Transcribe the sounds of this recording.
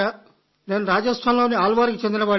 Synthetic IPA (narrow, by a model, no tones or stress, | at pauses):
a | neːnuɾaːd͡ʒɐsʈʰaːnloːniaːlʋaːɾkit͡ʃend̪inɐʋaː